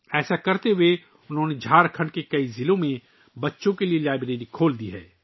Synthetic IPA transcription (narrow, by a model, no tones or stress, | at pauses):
ɛːsakɐɾt̪eɦʊe | ʊnɦõːned͡ʒʱaːɾkʰə̃ɳɖkekɐizɪlõmẽ | bɐtːʃõkelielaːɪbɾeːɾikʰoːld̪iɦɛ̰ː